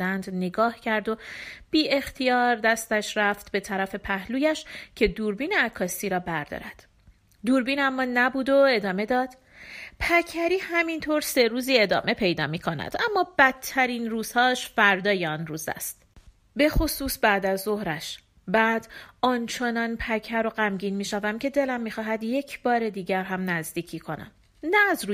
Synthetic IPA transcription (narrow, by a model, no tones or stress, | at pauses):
ænd̪neɡɒːhcʰæɾd̪o̞b̥iːe̞xt̪ʰijɒːɾd̪æst̪æʃɾæft̪be̞t̪ʰæɾæfe̞pʰæhluːjæʃcʰe̞d̪uːɾbiːneækʰːɒːsiːɾɒːbæɾd̪ɒ̰ːɾæd̪̥ | d̪uːɾbiːnæmːɒːnæbuːd̪o̞e̞d̪ɒːme̞d̪ɒːd̪̥ | pʰæcʰæɾiːhæmint̪ʰoɾse̞ɾuːziːe̞d̪ɒ̰ːme̞pʰe̞jd̪ɒ̰ːmiːkʰonæ̰d̪ʔæmːɒːbæt̪ʰːæɾiːnɾuːz̥hɒːʃfæɾd̪ɒːjeɒnɾuːzæ̰st̪ | be̞χo̞suːsbæːd̪æzːo̞hɾæʃ | bæːd̪̥ʔɒnt͡ʃʰe̞nɒːnpʰæcʰæɾoɢæmɟiːnmiːʃævæmcʰe̞d̪e̞læmːiːxɒːɦæd̪je̞cʰbɒːɾe̞d̪iːɟæɾɦæmnæzd̪iːcʰiːkʰo̞næ̰m | næːzɾu